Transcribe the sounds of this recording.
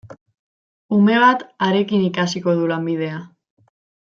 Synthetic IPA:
ume̞β̞at̪aɾe̞kinikasiko̞ð̞ulambið̞e̞a

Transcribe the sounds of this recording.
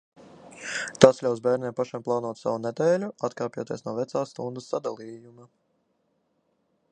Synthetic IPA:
t̪asʎʲawsbʲɛːɾnʲɛmpaʃamplˠaːnuɔt̪sa̰vunɛd̪ɛːlʲuat̪kaːpʲjuɔt̪iɛsnuɔvɛt̪saːsːt̪und̪usːad̪alˠiːjuma

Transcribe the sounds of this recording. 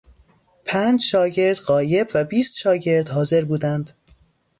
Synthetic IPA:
pʰænd͡ʒʃɒːɟe̞ɾd̪ɢɒːje̞bvæbiːst̪ʃɒːɟe̞ɾd̪hɒːze̞ɾbuːd̪ænd̪̥

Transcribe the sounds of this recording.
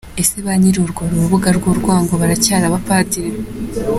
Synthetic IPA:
e̞seβaɲiɾuɾɡoɾuɾuβuɡaɾɡoːɾɡwaːŋɡoβaɾacaːɾaβapatiɾe

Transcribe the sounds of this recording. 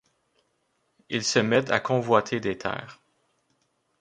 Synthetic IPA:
ilsəmɛt̪a̰kʰɔ̃vwat̪ʰed̪et̪ʰɛ̰ːʁ

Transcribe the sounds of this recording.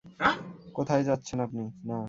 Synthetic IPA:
kot̪ʰajd͡ʑatːɕʰenapnina

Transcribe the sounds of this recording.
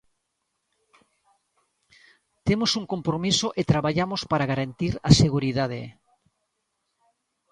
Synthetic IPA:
t̪emosuŋkompɾomisoʔet̪ɾaβaʎamospaɾaɣaɾant̪iɾaseɣuɾiðað̞ḛ

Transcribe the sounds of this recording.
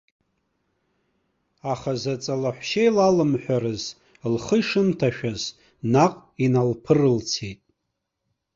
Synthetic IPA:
aχazat͡sʼalaħʷʃejlalɨmħʷᶣaɾɨz | lχəiʂɨntʰaʃᶣaz | naqʼinalpʰɨrɨlt͡sʰejtʼ

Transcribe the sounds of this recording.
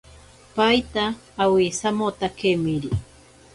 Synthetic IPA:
pajt̪aː | wisamot̪akemiɾi

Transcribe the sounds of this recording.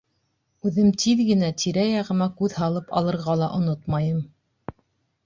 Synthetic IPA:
ʉðɘmt̪ʰiðɡɘ̆næt̪ʰiɾæjɑʁɤ̆mɑkʉðhɑlˠɤpɑ̰lˠɤ̆ɾʁɑlˠɑʔŏnot̪mɑjɤm

